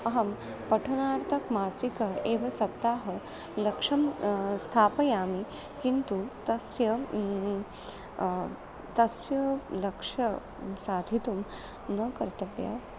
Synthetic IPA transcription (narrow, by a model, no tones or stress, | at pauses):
ɐɦɐm | pɐʈʰɐnaːɾt̪ʰɐkmaːsikɐeːʋɐsɐp̚t̪aːɦɐ | lɐkʂɐmst̪ʰaːpɐjaːmi | kint̪ut̪ɐsjɐ | t̪ɐsjɐlɐkʂɐ | saːd̪ʱit̪um | nɐkɐɾt̪ɐpja̰